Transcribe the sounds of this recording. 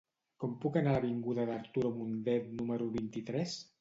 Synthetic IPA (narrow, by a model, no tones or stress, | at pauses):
kɔmpukanalaβiŋɡuðaðaɾt̪uɾomund̪ɛt̪numəɾuβint̪it̪ɾɛs